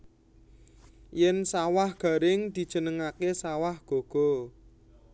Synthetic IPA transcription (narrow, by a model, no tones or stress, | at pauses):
jɛnsawahɡ̥ä̤ɾɪŋd̪̥i̤d̥ʒ̥ə̤nəŋakesawahɡ̥o̤ɡ̥ɔ̤